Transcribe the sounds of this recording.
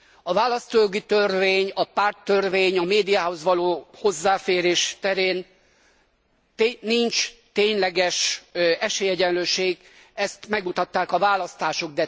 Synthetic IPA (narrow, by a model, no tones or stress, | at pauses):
ɒvaːlɒst̪oːjoɡit̪ørveːɲɒpaːrt̪ːørveːɲɒmeːd̪ijaːɦo̞zʋɒloːho̞zːaːfeːɾeːʃt̪ɛɾeːn | int͡ʃt̪eːɲlɛɡɛʃɛʃeːjɛɟɛnløːʃeːɡ | ɛst̪mɛɡmut̪ɒt̪ːaːkɒvaːlɒst̪aːʃo̞ɡ̚d̪ɛ